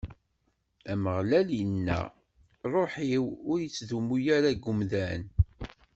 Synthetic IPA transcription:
æməʁlælənːæ̰ | ɾˤoħiwʊɾjit͡sːðumːujæɾæɡʊmðæn

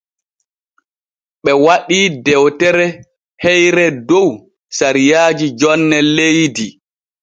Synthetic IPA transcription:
ɓɛwaɗiːdɛwtɛɾɛ | hɛjɾɛdow | saɾijaːd͡ʒid͡ʒɔnːɛlejdi

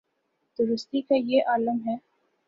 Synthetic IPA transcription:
d̪̥ʊɾʊst̪ikajeʔaːləmɦɛː

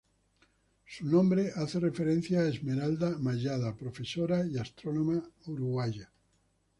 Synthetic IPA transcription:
sunõmbɾeʔaθerefeɾen̟θjaːezmeɾald̪amaʒaðapɾofesoɾaiast̪ɾonomauɾuɣwaja

